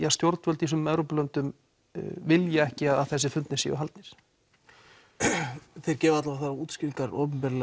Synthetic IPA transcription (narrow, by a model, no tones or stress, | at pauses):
jast̪joɾt̪vœlt̪isʏmɛvɾowpʏlœnt̪ʏm | vɪljɛɛhcɪaðaðθɛs̬ːɪfʏnt̪nɪsḭːʏalt̪nɪɾ̥ | θejɾcɛːvɪat̪lavaθaɾauːt̪scɪiŋkaɾɔ̰ːpʏmpɛɾlɛ